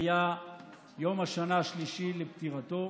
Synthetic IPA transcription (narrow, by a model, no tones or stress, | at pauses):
ja | jo̞maʃanaaʃliʃilept̪iʁat̪o̞